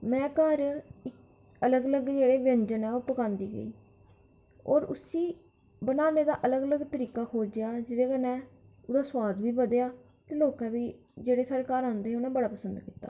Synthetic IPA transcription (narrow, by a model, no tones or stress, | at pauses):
mɛ̃ːkəɾɪk | ələɡələɡd͡ʒeːɽeːʋə̃ɲd͡ʒənɛːʊpəkãːnd̪iːɡə̰iː | ɔːɾʊsiː | bənaːneːd̪aːʔələɡələɡt̪əɾiːkaːkʰoːd͡ʒejaːd͡ʒɪd̪eːkənɛ̃ː | ʊd̪aːswaːd̪ʋiːbəd̪ejaː | t̪eːloːkɛːʋiː | d͡ʒeːɽeːsəːɾeːkaːɾãːnd̪eːɛʊnɛ̃ːbəɽaːpəsə̃nd̪kɪt̪ːa̰ː